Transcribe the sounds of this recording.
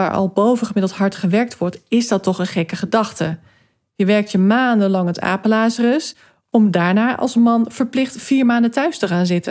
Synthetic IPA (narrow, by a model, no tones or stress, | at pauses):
a̰ːɹʔɑ̰lˠbowvəχəmɪdəlˠtɦɑɹtχəʋɛɹk̚tʋɔɹtɪzdɑtɔχənχɛkəχədɑχtə | jəʋɛɹk̚tjəmaːndəlɑŋɦəta̰ːpəlaːsərəs | ɔmdaːɹnaːʔɑ̰lˠsmɑnv̥əɹplɪχtfiːɹmaːndətœɥstəχaːnzɪtən